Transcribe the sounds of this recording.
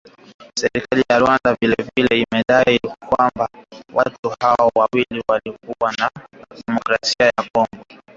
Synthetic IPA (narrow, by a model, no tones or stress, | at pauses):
sɛɾikalijaɾuwandavilɛvilɛimɛɗaikwambawʔatuhaɔɔwawiliwalikuwanaɗɛmɔkɾasiajakɔŋɡɔ